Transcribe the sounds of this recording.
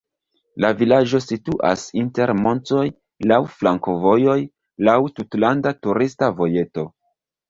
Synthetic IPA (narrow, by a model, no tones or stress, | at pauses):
lavilad͡ʒo̞situʔa̰sinte̞ɾmo̞nto̞j | lawflaŋko̞vo̞jo̞j | lawtutlandatuɾistavo̞je̞to̞